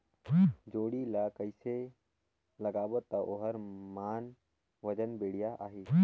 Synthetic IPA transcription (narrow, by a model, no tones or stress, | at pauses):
d͡ʒoːɽilakəɪse | lɐɡaːʋət̪ːɐʔoɦəɾmaːn | ʋɐd͡ʒənbeːɽ̤ijaʔa̰ːɦeː